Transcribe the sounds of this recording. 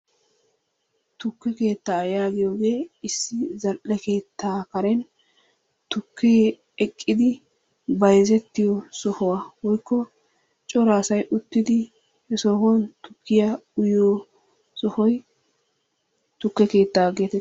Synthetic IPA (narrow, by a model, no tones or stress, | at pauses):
t̪ʊkːɛke̞ːt̪ːaːjaːɡɪjoːɡe̞ːɪsːɪzɐlʔɛke̞ːt̪ːaːkɐɾɛn | t̪ʊkʰːeː | ɛkʼːɪd̪ɪ | bɐjzɛt̪ːɪjɔsɔhɔwawɔjkːɔ | t͡ʃʼɔɾaːsɐjʔʊt̪ːɪd̪ɪ | hɛsɔɦɔnt̪ʊkːɪjɐʊjoː | sɔhɔj | t̪ʊkːɛke̞ːt̪ːaːɡeːt̪ɛ